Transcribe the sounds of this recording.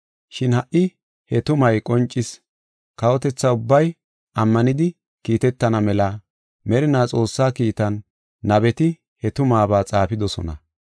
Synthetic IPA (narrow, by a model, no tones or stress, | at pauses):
ʃɪnhɐʔːɪ | hɛt̪ʊmɐjkʼɔnt͡ʃʼːɪs | kɐwɔt̪ɛt͡sːɐʊbːɐj | ɐmːɐnɪd̪ɪ | kiːt̪ɛt̪ːɐnɐmɛlɐ | mɛɾɪnaːt͡sʼo̞ːsːaːkiːt̪ɐnː | ɐbɛt̪ɪ | hɛt̪ʊmaːbaːt͡sʼaːpɪd̪ɔsɔ̰nɐ̰